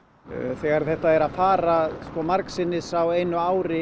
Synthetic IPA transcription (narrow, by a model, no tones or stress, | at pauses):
θɛɣaɾ̥θɛht̪aɛɾaðfaːɾaskɔmaɾksɪnːɪsawejnʏaːwɾɪ